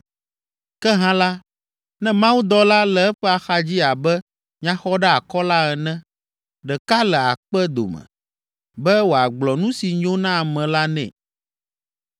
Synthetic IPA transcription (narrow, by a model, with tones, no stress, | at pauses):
kɛ˦ɦã˦la˦ | nɛ̃˦mã˦wu˦d̪ɔ˦la˦lɛ˨ɛ˦ɸɛ˦a˨xa˦d͡ʑi˦a˨bɛ˦ | ɲã˦xɔ˦ɖɛ˦a˨kɔ˦la˦ɛ˨nɛ̃˦ | ɖɛ˨ka˦lɛ˨a˨k͡pɛ˦d̪o̰˨mɛ̰̃˨ | bɛ˦wo˨a˨ɡ͡blɔ˨nũ˦si˨ɲõ˦nã˦a˨mɛ̃˨la˦nɛ̰̃˨